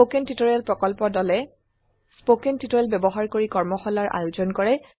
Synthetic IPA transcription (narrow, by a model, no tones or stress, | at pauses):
okentitɔɹialpɹɔkɔlpɔdɔlɛ | spokentitɔɹalbjɛbɔɦaɹkoɹikɔɹmɔxɔlaɹʔa̰juzɔnkɔɹɛ